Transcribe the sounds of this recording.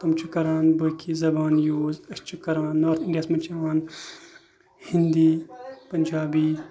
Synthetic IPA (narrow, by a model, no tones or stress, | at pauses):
t̪ɐmt͡ʃʰukɐɾaːnbɐkizɐbaːnjoːzɐʃt͡ʃukɐɾãːnːoːɾt̪ʰiɳɖiɐstmɐnt͡ʃɐaːn | hind̪iːpɐnd͡ʒaːbiː